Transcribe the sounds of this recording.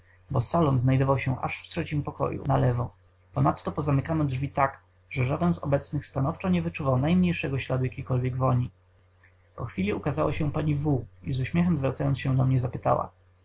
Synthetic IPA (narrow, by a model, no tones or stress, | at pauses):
bɔsalɔnznajd̪ɔvawɕɛʔa̰ʂft̪ʂɛt͡ɕimpɔkɔ̰jṵnalɛvɔ | pɔnat̪ːɔpɔzamɘkanɔdʐvʲit̪ak | ʐɛʐad̪ɛnzɔ̰bɛt̪snɘxst̪anɔft͡ʂɔɲɛvɘt͡ʂuvawnajmɲejʂɛɡɔɕlad̪ujakʲikɔlvʲjɛɡvɔɲi | pɔxfʲilʲiukazawa̰ɕɛpaɲivuizuɕmʲjɛxɛmzvɾat̪sajɔnɕɛd̪ɔmɲɛzapɘt̪a̰wa̰